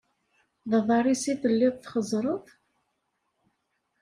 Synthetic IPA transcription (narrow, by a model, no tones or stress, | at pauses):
ðɑðˤɑrˤisiθəlːiðˤθχəzɾˤəθ